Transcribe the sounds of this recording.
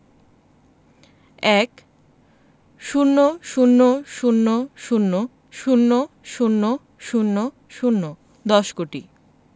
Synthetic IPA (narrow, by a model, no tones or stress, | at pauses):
ɛk | ʃunːoʃunːoʃunːoʃunːo | ʃunːo | ʃunːo | ʃunːo | ʃunːo | d̪ɔʃkoʈi